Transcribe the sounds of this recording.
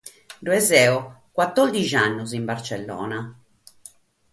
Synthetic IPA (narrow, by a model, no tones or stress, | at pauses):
d̪uɛzɛːɔkwat̪ːord̪id͡ʒanːʊzimbart͡ʃɛlːɔ̰ːna